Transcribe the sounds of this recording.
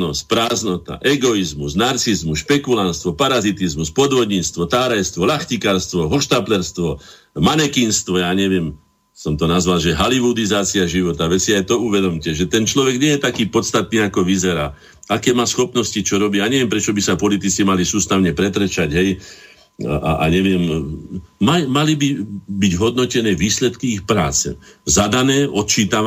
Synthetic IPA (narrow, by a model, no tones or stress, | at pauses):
nɔsc̚pɾaːznɔt̪a̰ʔɛɡɔizmusnaɾt͡sizmuʃpɛkulanst̪ʋɔpaɾazit̪izmuspɔd̪ʋɔd̪ɲiːt͡st̪ʋɔt̪aːɾɛjst̪ʋɔlaxcikaɾst̪ʋɔɦɔʃt̪aːplɛɾst̪ʋɔ | manɛkinst̪ʋɔjaːɲɛʋɪɛm | sɔmt̪ɔnazʋalʒɛɦaliʋud̪izaːt͡siaʒiʋɔt̪aʋɛsiajt̪ɔuʋɛd̪ɔmcɛʒɛt̪ɛnt͡ʃlɔʋɛɡɲɛjɛt̪akiːpɔt̪st̪at̪niːakɔʋizɛɾaː | akɛːmaːsxɔpnɔscit͡ʃɔɾɔbiːjaːɲɛʋɪɛmpɾɛt͡ʃɔbisapɔlit̪it͡simalisuːst̪aʊɲɛpɾɛt̪ɾɛt͡ʃaɟɦɛj | ʔa̰ʔa̰ɲɛʋɪɛm | mamalibibiɟɦɔd̪nɔcɛnɛːʋiːslɛt̪kiixpɾa̰ːt͡sɛ̰zad̪anɛːʔɔt̪̚t͡ʃiːt̪a